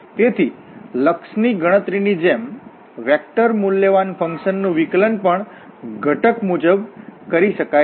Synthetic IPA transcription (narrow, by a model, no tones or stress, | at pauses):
t̪et̪ʰi | ləkʃniɡəɽ̃ət̪ɾinid͡ʒem | ʋɛk̚ʈəɾmuljəʋanfʰə̃ŋkʃənːũʋiklənpəɳ | ɡʱəʈəkmud͡ʒəbkəɾiʃəka